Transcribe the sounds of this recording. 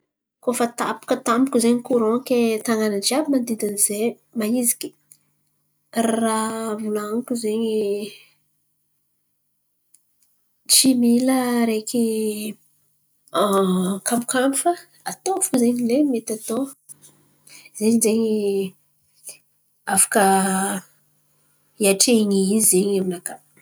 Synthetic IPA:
kofət̪a̰pu̥kət̪ampukuzeɲikuɾõkʲet̪aŋanat͡ʃiabimand̪id̪anize | maizi̥kʲi̥ | rravulaŋkuzeɲi | t͡ʃimiləɾekʲi | kampu̥kamifə | at̪ofuzeɲilemet̪at̪o | zeɲizeɲi | afḁkə | iaʈ͡ʂeɲiizeɲaminaka

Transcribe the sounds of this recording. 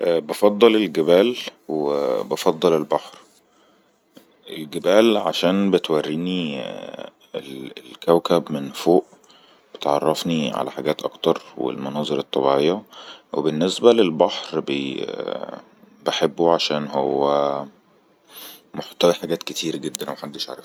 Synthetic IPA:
ʔbɑfɑd̪ˤːɑlelɡebæːlwebɑfɑd̪ˤːɑlelbɑħɾ | ʔelɡebæːlʕa̰ʃæːnbet̪wærːiːni | elelkæwkæbmenfoːʔ | b̥et̪ʕɑ̰rˤːɑfniʕa̰læħaɡæːt̪ʔɑ̰kt̪ɑɾˤwḛlmɑnɑːzˤeɾɑt̪ˤːɑbiʕejːæwebenːesbælelbɑħɾbe | beħebːuʕaʃæːnhowːæ | moħt̪æwiħaɡæːt̪ket̪ʰiːɾæɡed̪ːænmæħad̪ːeʃʕa̰ɾˤɑf

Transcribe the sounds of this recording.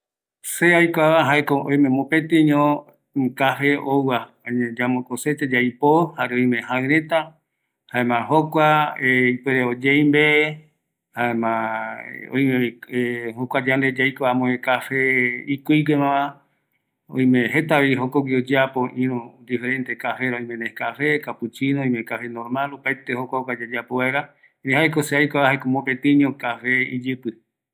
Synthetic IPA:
seajkʷaβaɦaekoõj̃mẽmõpet̪eɲõ | kafeʔowa | oɲẽd͡ʒamokoset̪ed͡ʒajpohaɾeõj̃mẽhãɨ̃ɾẽ̞t̪a | haemãɦokʷaeipweɾeod͡ʒejmbe | haemã | õ̰j̃mẽehokʷad͡ʒand̪ed͡ʒajkoamõekafeikiiɡemãã | õ̰j̃mẽɦet̪aβiɦokoɡʷiod͡ʒapoʔĩɾũd̪ifeɾẽnt̪ekafeɾaõj̃mẽnekafekaput͡ʃinoõj̃mẽkafenõɾmalupaet̪ehokʷaokʷad͡ʒed͡ʒapoeɾã | nẽhaekoseajkʷaβahekõmõpet̪ĩnĩõkafeḭd͡ʒɨpɨ

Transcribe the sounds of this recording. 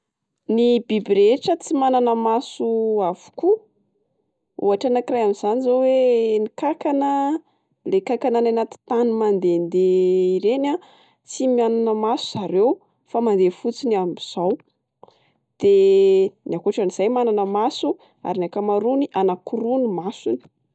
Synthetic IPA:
nibibiɾeʈ͡ʂət͡simananəmasuav̥u̥ku | ṵaʈ͡ʂanakirajamiz̥anizowenikakanə | lekakanananat̪i̥t̪animand̪end̪eiɾena | t͡simiananəmasuz̥aɾew | famand̪efut͡siniambiz̥aw | d̪̥eniakuʈ͡ʂaniz̥ajmananəmasu | a̰ɾinakamaɾuniʔanakuɾunimasuni̥

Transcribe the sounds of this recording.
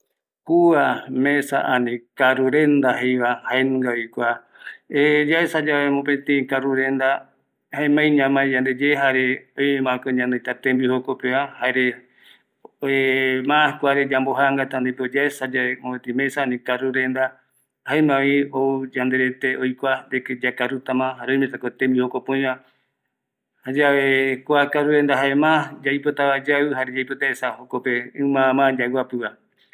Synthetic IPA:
kuamesa̰ʔãnĩkaɾuɾend̪aɦejβahaenũŋɡaojkʷa | ed͡ʒaesad͡ʒaβemõpẽt̪ẽĩkaɾuɾend̪a | haẽmãĩɲãmãẽd͡ʒand̪ed͡ʒeɦaɾeojemãkɨɲãnd̪ɨjt̪at̪embihokopeahaeɾe | emãkʷaɾed͡ʒamboɦaŋɡat̪and̪ejpeod͡ʒaesad͡ʒaemoet̪ĩmesanĩkaɾuɾend̪a | haemãʋioud͡ʒand̪eɾet̪eojkʷand̪eked͡ʒakaɾut̪amãɦaɾeõj̃mẽsakot̪ẽmbihokopõj̃βã | had͡ʒaʋekʷakaɾuɾend̪aɦaemãd͡ʒaijpot̪aβad͡ʒaɨɦaɾed͡ʒajpot̪aesahokopeɨ̃mãmãd͡ʒawapɨβa

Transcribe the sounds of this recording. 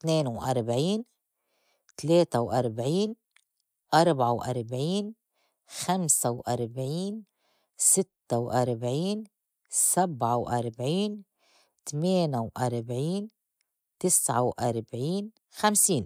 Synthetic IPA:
t̪neːnwʔaɾˤbʕiːn | t̪leːt̪awʔaɾˤbʕiːn | ʔɑɾˤbʕawʔaɾˤbʕiːn | xamsawʔaɾˤbʕiːn | sɪt̪ːawʔaɾˤbʕiːn | sabʕawʔaɾˤbʕiːn | t̪meːnawʔaɾˤbʕiːn | t̪ɪsʕa̰wʔaɾˤbʕiːn | xamsiːn

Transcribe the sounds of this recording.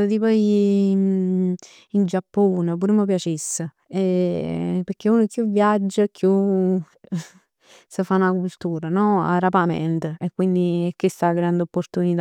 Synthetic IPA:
t̪ipɔjin | ind͡ʒapːuːnəp̬uːɾəməp̬jat͡ʃisːə | e | pəɾk̟ːeuːnəkːjuvːjad͡ʒːakːju | səfanakult̪uːɾanɔa̰ɾapamɛ̰nt̪əekːwind̪iekːest̪aɡɾand̪opːoɾt̪unit̪

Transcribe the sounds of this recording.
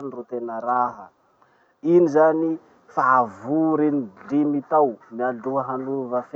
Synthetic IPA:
nrut̪enəɾaɦə | inizani | favuɾenidimit̪awmiaɖ͡ʐuəɦanuvəf

